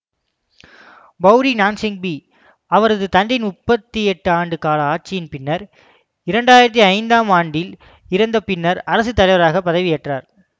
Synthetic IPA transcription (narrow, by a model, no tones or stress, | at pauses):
bɐʊɾinaːnsɪŋ̚biː | ɐʋɐɾɐðɯt̪ɐɳɖɪnmʊpːɐt̪ːiɛʈːɯaːɳɖɯkaːlɐaːʈ̚t͡ʃɪjɪnpɪnːɐɾ | ɪɾɐɳɖaːjɪɾɐt̪̬ːiɐɪnd̪aːmaːɳɖɪl | ɪɾɐnd̪ɐpɪnːɐɾɐɾɐsɯt̪ːɐlɐɪʋɐɾaːɣɐpɐðɐɪʋɪjɛʈra̰ːɾ